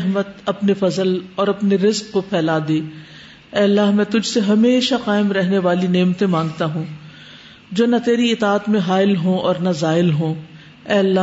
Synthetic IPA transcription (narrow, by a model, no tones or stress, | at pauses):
ɦmət̪ɐpnefɐzəlɔːɾɐpneɾɪzqːopʰɛːlaːd̪eː | ɛːɐlːaːɦmɛ̃ːt̪ʊd͡ʒʱseɦɐmeːʃaqaːɪmɾɛɦneʋaːlineːmt̪ẽmãːŋɡ̚t̪aɦũː | d͡ʒoːnɐt̪eːɾiɪt̪aːt̪mẽɦaːɪlɦõɔːɾnazaːɪlɦõ | ɛːɐlːa